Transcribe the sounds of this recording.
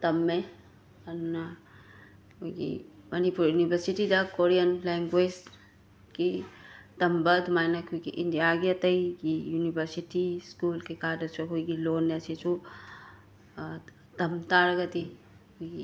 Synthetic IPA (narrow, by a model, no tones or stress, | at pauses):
t̪ɐmːe | ɐnunɐ | kojɡḭmɐnipuɾjunibʱɐɾsitid̪ɐkoɾiɐnleŋɡwed͡ʒ | kitɐmbɐd̪majnɐkʰujɡḭʔindijaɡiɐt̪ɐjɡijunibʱɐɾsitiskulkekadɐsoɦʰujɡilonesesu | t̪ɐmt̪aɾɐɡɐt̪i | kojɡi